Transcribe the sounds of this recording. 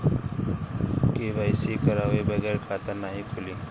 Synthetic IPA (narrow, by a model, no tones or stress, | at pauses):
kebʱajsikəɾaʋebəɡəːɾkʰat̪əɾnaɦikʰʊliː